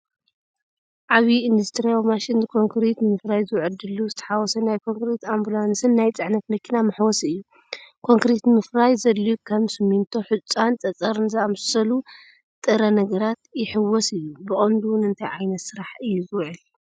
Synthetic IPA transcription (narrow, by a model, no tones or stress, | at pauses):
ʔaβiːnd̪ust̪ʰɾijawmaʃɪnkʰo̞ŋkʰɾet̪nɨmɨfɾajzɨwʕɨd̪ɨluzɨt̪ʰɐ̥ħawɔsɐnajkʰo̞ŋkɾet̪ambulansɨnːajt͡sʼɨʕnɐt̪mɐkʰːinamɨħwɔsɨjːu | kʰo̞ŋkɾet̪mɨfɾajzɐlːukʰɐmsɨmːint̪ʰo̞ħɨt͡sʼːant͡sʼɐt͡sʼɐɾnzɨamsɐlu | t̪ʼɨɾɐnɐɡɐɾat̪jɪħɨwːɔsɨjːubɨχʼɐnd̪uwʊnɨnt̪ʰajʕajnɐt̪sɨɾaħɨjːuzɨwʕɨl